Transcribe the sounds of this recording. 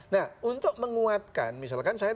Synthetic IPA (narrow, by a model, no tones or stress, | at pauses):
nahunt̪ʊk̚məŋuat̪̚ka̰nmisalkansaja